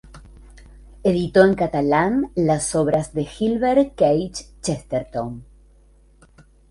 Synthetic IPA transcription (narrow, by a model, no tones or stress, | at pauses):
eðit̪oeŋkat̪alanlaso̞βɾazðe̞xilβeɾkejt͡ʃt͡ʃest̪eɾt̪on